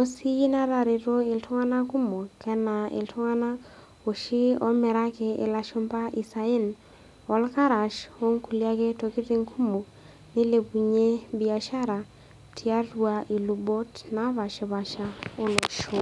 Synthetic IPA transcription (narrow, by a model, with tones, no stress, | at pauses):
o˦si˦i˦na˦ɾa˨ɾi˨to˦ɪ˨ltʰɔ˦ŋa˦na˦ku˦mo˨kʰɛ˦na˨ḛ˨ltʰɔ˦ŋa˦na˦ | o˨ʃi˦ɔ̰˦mɛ˨ɾa˦kɛ˨ɪ̰˨la˨ʃo˦mpa˦ʔi˨sa˨e˦n | ɔ˨˦lka˦ɾa˨ʃo˦ŋku˨lia˦ke˦to˨ki˦ti˦ŋkʰu˦mo˨ | ni˦le˨pu˨ɲe˦bi˨a˨ʃa˦ɾa˨ | tʰi˨a˦twa˨ʔi˨lu˨bo˦tna˦βa˨ʃe˨βa˨ʃa˦o˦lo˨ʃo˦˨